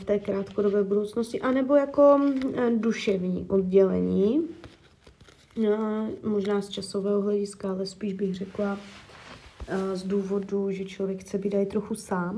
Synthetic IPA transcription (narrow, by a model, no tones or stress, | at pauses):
ft̪ɛːkɾaːt̪kodobɛːbudowt͡snoscɪʔanɛbo̞jako̞duʃɛvɲḭːʔod̚ɟɛlɛ̰ɲiː | mo̞ʒnaːst͡ʃaso̞vɛːɦoɦlɛɟɪskaalɛspiːʒbɪɣr̝ɛkla | zduːvo̞duʒɛt͡ʃlovjɛkxt͡sɛbiːdajɪt̪ɾo̞xusaːm